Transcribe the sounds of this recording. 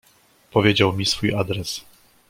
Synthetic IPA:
pɔvʲjed͡ʑawmʲisfujad̪ɾɛs

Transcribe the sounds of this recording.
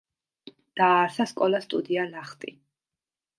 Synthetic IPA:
d̪̥aːɾsaskʼɔlast̪ʼud̪ialaχt̪ʼi

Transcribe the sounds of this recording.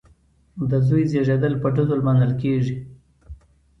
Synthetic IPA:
d̪əzujzeʐed̪əlpəɖazolmanəlkeʐi

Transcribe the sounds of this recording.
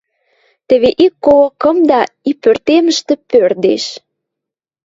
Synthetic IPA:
t̪ə̆βeʔikːolokə̆md̪ɑipørt̪emə̆ʃt̪ĕpørd̪ḛʃ

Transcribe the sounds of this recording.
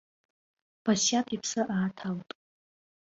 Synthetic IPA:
b̥asjapʰipʰsɨʔaːtʰaltʼ

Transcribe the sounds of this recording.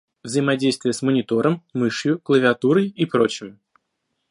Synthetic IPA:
vzəɪmɐdʲejst̪vʲɪjəsmənʲɪt̪o̞ɾʔəmːɨʂjʊklˠəvʲɪɐt̪uɾəjipɾo̞t͡ɕɪm

